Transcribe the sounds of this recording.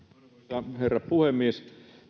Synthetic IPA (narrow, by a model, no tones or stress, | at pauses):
ɑherːɑppuhemːies